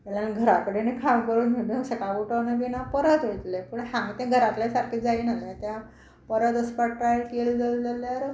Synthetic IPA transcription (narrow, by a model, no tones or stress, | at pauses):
t̪ɛlanɡʱəɾakəɽenekʰamkəɾuːnmeɽunəsəkaʋuʈənaʋinapəɾət̪ʋojt̪lepəɳɦamit̪ãɡʱəɾat̪ljasaɾkʰid͡zainat̪ãt̪ja | pəɾət̪əspaʈɾajlkeld͡zald͡zaljaɾ